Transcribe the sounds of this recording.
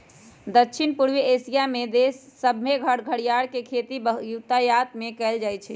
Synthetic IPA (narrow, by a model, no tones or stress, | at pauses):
d̪əkːʃʰinpuɾʋiesijamed̪esːəbʱmeɡʱəɽɡʱəɽijaɽkekʰet̪ibəjut̪ajat̪mekɛɪld͡ʒajt͡ʃʰɛ